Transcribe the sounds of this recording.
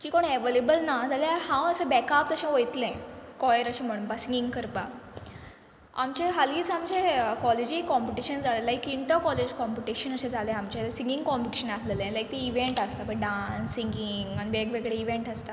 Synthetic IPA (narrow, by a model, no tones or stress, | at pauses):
t͡ɕiːkoɳeʋelebəlnad͡zalẽaɾhãwəsebɛkap̚t̪əɕãʋojt̪lẽkɔjəɾəɕẽm̤əɽunpasiŋɡiŋɡkʰəɾpa | a̰mt͡ɕeɦaliːt͡samt͡ɕekɔled͡ʑikɔmpiʈiɕənd͡zalelajkːiɳʈ̪əkɔled͡ʑkɔmpiʈiɕənəɕẽd͡zalẽamt͡ɕesĩŋɡiŋɡkɔmpiʈiɕənaslelẽlajk̚t̪iiʋeɳʈast̪apəɳɖãnːiŋɡiŋɡaniʋekʋeɡɭeiʋeɳʈast̪a